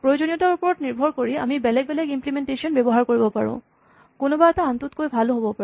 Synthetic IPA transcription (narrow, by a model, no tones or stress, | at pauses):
pɹojod͡ʒonijɔtaupɔɹɔtniɹbʱɔɹkoɹia̰mibɛlɛɡ̚bɛlɛkimplimentesɔnbebɔɦaɹkoɹibɔpaɹṵ̃ | konobaɛt̪aant̪ut̪kojbʱaloɦobɔpa